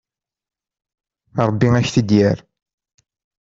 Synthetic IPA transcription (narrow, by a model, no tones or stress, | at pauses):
ɾˤbːiæçθəd̪jæɾ